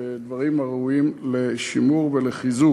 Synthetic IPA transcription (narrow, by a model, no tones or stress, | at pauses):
ed̪vaʁimaʁuimleʃimuʁveleχizu